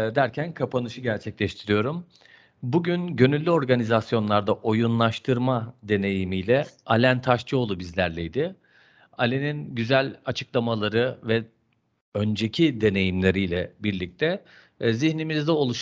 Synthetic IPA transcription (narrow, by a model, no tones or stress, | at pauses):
d̪æɾcʰænkʰapʰanɯʃɯɟæɾt͡ʃʰɛclʲɛʃt̪ʰiɾijo̞ɾum | buɟynɟø̞nylʲːyo̞ɾɡanizasjo̞nlˠaɾd̪aʔo̞junlˠaʃt̪ʰɯɾmad̪e̞ne̞jimijlʲɛalʲænt̪ʰaʃt͡ʃɯo̞lˠubizlʲæɾlʲɛjd̪ɪ | alʲeninɟyzælʲat͡ʃʰɯ̥klˠamalˠaɾɯvɛ | ø̞nd͡ʒe̞cʰid̪e̞ne̞jimlʲe̞ɾijlʲɛbiɾlʲic̚t̪ʰɛ | ziçnimizd̪ɛo̞lˠuʃ